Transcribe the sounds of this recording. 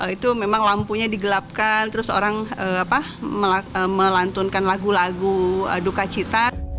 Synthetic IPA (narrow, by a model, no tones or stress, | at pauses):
ʔəit̪umemaŋlampuɲadiɡəlap̚kant̪əɾʊso̰ɾaŋəapa | məlaəməlant̪unkanlaɡulaɡuə̰dukat͡ʃit̪a